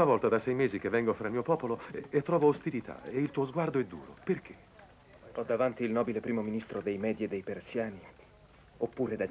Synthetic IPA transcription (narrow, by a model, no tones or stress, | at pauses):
navɔlt̪ad̪asɛjmeːzik̟evːɛŋɡofɾalmiːopɔːpoloet̪ːɾɔːvoost̪ilit̪ʰa̰eilt̪uːozɡward̪oɛd̪ːṵːɾo̰perk̟ʰe̥ | ɔd̪ːavant̪ilnɔːbilepɾiːmominist̪ɾod̪ejmɛːd̪jed̪ejpersjaːni | opːuːɾed̪a